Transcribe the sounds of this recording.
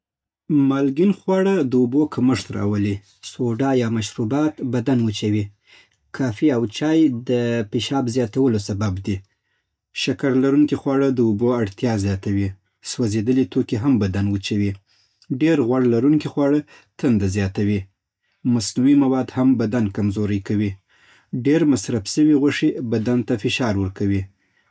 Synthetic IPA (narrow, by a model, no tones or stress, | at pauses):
mɑlɡinxwɑɽəd̪əubokʰaməʂt̪ɾɑ̰wəli | soɖɑjɑmaʃɾubɑt̪bad̪anwət͡ʃawi | kʰɑfiawt͡ʃɑjd̪əpiʃɑbzjɑt̪awəlosababd̪i | ʃakaɾlaɾuŋkixwɑɽəd̪əuboaɽt̪jɑzjɑt̪awi | swazed̪əlet̪okeɦambad̪anwət͡ʃawi | ɖeɾɣwaɽlaɾuŋkixwɑɽə | t̪and̪azjɑt̪awi | masnuwimawɑd̪hambad̪ankamzoɾəjkawi | ɖeɾmasɾafsəwiɣwəʂibad̪ant̪afɪʃɑɾwəɾkawi